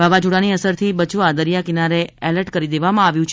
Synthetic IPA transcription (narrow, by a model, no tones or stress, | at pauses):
baʋad͡ʒuɽaniəsəɾt̪ʰibət͡ʃʰuad̪əɾjakinaɾeɛləɾʈkəɾid̪eʋamãaʋjũt͡ʃʰ